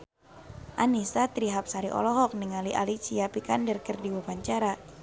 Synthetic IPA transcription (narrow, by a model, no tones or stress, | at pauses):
ʔanisat̪ɾiɦap̚saɾiʔɔ̰lɔɦɔk̚niŋaliʔa̰lit͡ʃiapikandərkərdiwupaɲt͡ʃaɾa